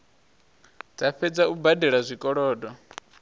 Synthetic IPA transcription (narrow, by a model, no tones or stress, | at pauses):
d͡zaɸɛd͡zaubadɛɺazʷikʼɔɺɔːdɔ